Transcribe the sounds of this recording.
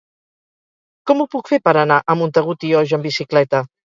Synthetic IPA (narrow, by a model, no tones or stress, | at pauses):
kɔmupukfepəɾənaʔəmunt̪əɣut̪iɔʒəmbisiklɛt̪ə